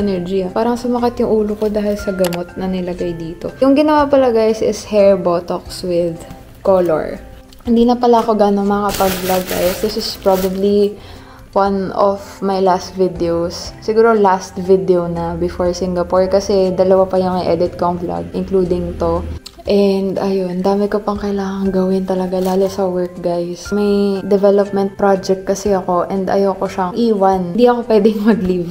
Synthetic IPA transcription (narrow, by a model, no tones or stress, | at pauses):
ɛnɛɹd͡ʒiapaːɾɐŋsʊmɐkat̪jʊŋʔuːlokod̪aːhɪlsɐɡɐmot̪̚nɐnɪlɐɡajd̪iːt̪o̞jʊŋɡɪnɐwapɐlɐɡajsʔɪ̰shɛɹbot̪okswɪd̪ | kolo̰ɹ | hɪnd̪iːnɐpɐlaɐko̞ɡaːnomɐkɐpɐɡ̚blaɡ̚ɡa̰josd̪ɪsɪspɹabɐbli | wanɔfmɐjlast̪vɪd̪ɛosːɪɡuːɾo̞last̪vɪd̪ɛownɐbɪfoɹsiŋɡɐpoɹkɐsɛd̪ɐlɐwapɐjʊŋɐjʔɛd̪ɪt̪̚koŋbla̰ɡʔɪŋkluːd̪ɪŋt̪o̞ | ʔɛnd̪ɐjond̪aːmɛkopɐŋkɐɪlaːŋɐŋɡɐwɪnt̪ɐlɐɡalaːlosɐwɛɹk̚ɡajsmɐjd̪ɛvɛlop̚mɛ̃nt̪̚pɹad͡ʒɛk̚t̪̚kɐsɛɐko̞ʔɛnd̪ɐ̰jowkoʃaʔiːwɐnnd̪iɐkopwɛːd̪ɛŋmɐɡliv